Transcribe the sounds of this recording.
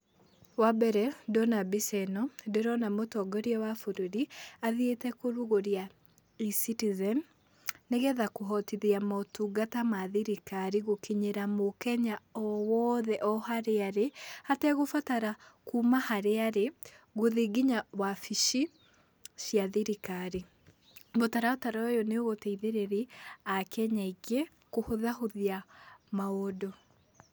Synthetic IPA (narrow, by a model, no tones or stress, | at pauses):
wabɛɾɛdɔnabisɛnɔdeɾɔnamotɔɡɔɾiɛwafuɾuɾiaðietɛkoɾuɣoɾja | isitizɛn | neɣɛðakoɦɔtiðiamɔtuɡatamaðiɾikaɾiɣokiɲeɾamokɛɲaɔwɔːðɛʔɔhaɾeaɾehatɛɣofataɾakuːmahaɾeaɾe | ɣoðeɡiɲawafiʃi | sjaðiɾikaɾi | botaɾaotaɾaojɔneoɣotɛiðeɾeɾiakɛɲaiɣe | kohoðaɦoðiamaodo